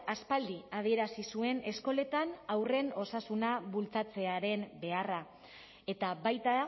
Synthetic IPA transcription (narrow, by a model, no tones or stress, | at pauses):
aspald̪iað̞ie̞ɾasisue̞ne̞sko̞le̞t̪anawre̞no̞sasunaβult͡sat͡se̞aɾe̞mbe̞ara | e̞t̪aβajt̪a